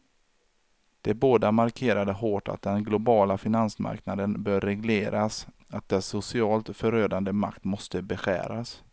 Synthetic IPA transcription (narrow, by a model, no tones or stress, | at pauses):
d̪̥ɛboːd̪amaɾkʰeːɾad̪əɦoːʈa̰t̪̚d̪ɛnɡlʊbɑːlafɪnansma̰ɾknad̪ənbœːɾːɛɡleːɾʔas | at̪̚d̪ɛsʊsɪɑːlt̪fœɾøːd̪and̪əma̰kt̪mɔst̪əbɛɧæ̰ːɾas